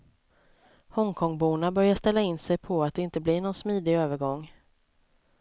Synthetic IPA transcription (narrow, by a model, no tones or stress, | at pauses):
hɔŋkʰɔŋbuːnabœɾjaʂt̪ɛlːaɪnːsɛjpʰɔat̪̚d̪ɛɪnt̪əblɪɳɔnsmiːd̪ɪøːvəɾɡɔŋː